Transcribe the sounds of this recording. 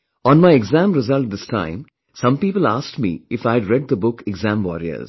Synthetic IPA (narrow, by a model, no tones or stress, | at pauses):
ɔ̃ːnmaɪɛɡzæ̃mɾɪzʌlʈ̚d̪ɪsʈʰã̰ɪ̃m | sʌ̃mpiːpəlaːsʈmḭːɪfaɪɖɾɛɖ̚d̪əbʊkɪɡzæ̃mwɔɾiə̰z̥